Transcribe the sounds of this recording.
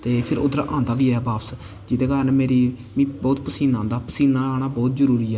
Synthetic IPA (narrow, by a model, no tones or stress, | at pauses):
t̪eːpʰɪɾo̰d̪ɾa̰ːʔãːnd̪aːbiːɛːbaːps | d͡ʒɪd̪eːkaːɾənmeːɾiː | mĩːbɔːt̪pəsiːnãːnd̪aːpəsiːnãːaːɽ̃aːbɔːt̪zəɾuːɾiːɛː